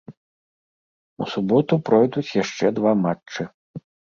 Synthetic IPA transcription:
ṵsubɔt̪upɾɔjd̪ut͡sʲjaʂt͡ʂɛd̪vamat͡ʂɨ

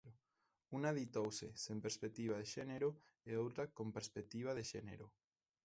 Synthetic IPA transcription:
unaðit̪owsesempeɾspek̚t̪iβ̞aðeʃeneɾo | eowt̪ɾakompeɾspek̚t̪iβ̞aðeʃenḛɾo

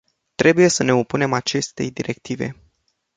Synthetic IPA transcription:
t̪ɾe̞buje̞səne̞opune̞mat͡ʃe̞st̪e̞̰jd̪iɾʔe̞k̚t̪ive̞̰

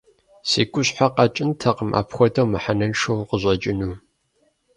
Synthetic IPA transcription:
sḭːɡʷʼʊɕħaqɑt͡ʃʼɪntʰɐqəmʔa̰ːpxʷɔtʰɐwmɨħanɐnʂɐwqəʑʷʼɐt͡ʃʼɪnuː

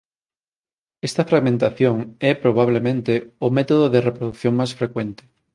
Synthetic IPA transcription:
ɛst̪ɐfɾaɣmẽnt̪aθjoŋɛpɾoβ̞aβ̞lemẽnt̪eomɛt̪oðoðerepɾoðuθjoŋmasfɾekwent̪e̥

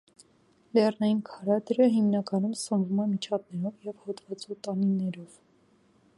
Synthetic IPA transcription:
lɛrnɑjinkʰɑɾɑd̪ɾəɦimnɑkɑnumsəmvumɛmit͡ʃʰɑp̪̚nɛɾɔvjɛvhɔt̪vɑt͡sut̪ɑninɛɾɔv̥

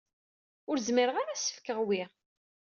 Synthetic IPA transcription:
ʊɾzmiɾəʁaɾasə̥fkəʁwi

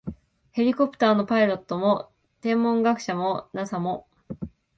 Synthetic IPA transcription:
he̞ɾʲiko̞pɯ̟̥t̪aːno̞paiɾo̞t̪ːo̞mo̞ | t̪ẽ̞mːõ̞ŋɡakɯ̟̥ɕamo̞nasamo̞

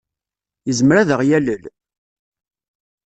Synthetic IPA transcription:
jəzmɾæðəʁjæləl

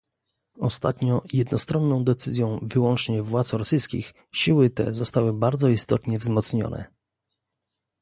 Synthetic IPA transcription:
ɔst̪at̪ɲɔjɛd̪nɔst̪ɾɔnːɔ̃w̃d̪ɛt̪sɘzʲjɔ̃w̃vɘwɔnt͡ʂɲɛvwat̪sɾɔsɘjskʲḭx | ɕiwɘt̪ɛ̰zɔst̪awɘbaɾd̪zɔist̪ɔt̪ɲɛvzmɔt̪sɲɔ̰nʔɛ̰

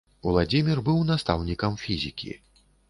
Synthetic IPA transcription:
ulˠad͡zʲimʲirbɨwnast̪a̰wnʲikɐmfʲizʲikʲḭ

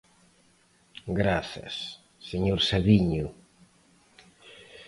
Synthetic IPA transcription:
ɡɾaθa̰sː | eɲoɾsaβiɲʊ

